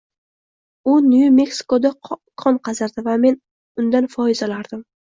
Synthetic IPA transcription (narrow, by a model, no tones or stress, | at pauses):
ʊnjume̞ksɪ̥kod̪akʰɒnqʰɑzaɾd̪ɪvame̞n | ʊnd̪anfɒjɪzalaɾd̪ɪm